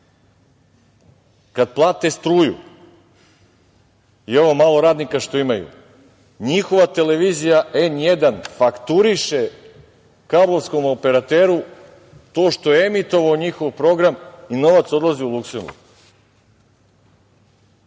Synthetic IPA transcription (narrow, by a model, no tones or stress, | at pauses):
kad̪̚plˠaːt̪est̪ɾuːjṵ | io̞ʋomaːlˠo̞ɾaːd̪nikaʃt̪o̞imajṵ | ɲixo̞ʋat̪e̞le̞ʋiːzijaenje̞d̪anfakt̪uɾiʃe̞ | kablˠo̞ʋsko̞mope̞ɾat̪eːɾu | t̪o̞ːʃt̪o̞jeemit̪o̞ʋaoɲixo̞ʋpɾo̞ɡɾamino̞ʋat̪so̞d̪lˠaziulˠukse̞mbṵɾɡ